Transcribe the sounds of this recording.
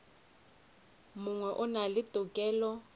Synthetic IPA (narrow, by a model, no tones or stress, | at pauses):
mʊŋwɛʔʊnalɪtʼʊkʼɛːlɔ